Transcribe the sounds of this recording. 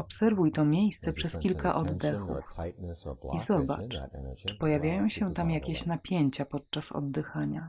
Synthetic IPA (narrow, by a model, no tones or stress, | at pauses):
ɔpsɛɾvujt̪ɔmʲjejst̪sɛpʂɛskʲilkaʔɔd̪ːɛxṵf | izɔba̰t͡ʂt͡ʂɘ̥pɔjavʲjajɔ̃w̃ɕɛt̪amjakʲeɕnapʲjeɲt͡ɕapɔt̪̚t͡ʂasɔ̰d̪ːɘxaɲa